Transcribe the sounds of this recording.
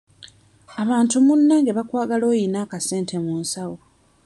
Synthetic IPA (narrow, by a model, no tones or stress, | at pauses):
aβaːntumunːaŋɡe̞βakwaːɡalo̞ːjinaːkase̞ːntʰe̞muːnsawo